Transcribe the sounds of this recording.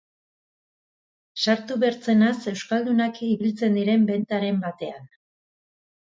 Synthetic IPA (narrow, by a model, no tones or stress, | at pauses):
saɾt̪uβeɾt͡se̞nase̞wskald̪unakiβilt͡se̞nd̪iɾe̞mbe̞nt̪aɾe̞mbat̪e̞an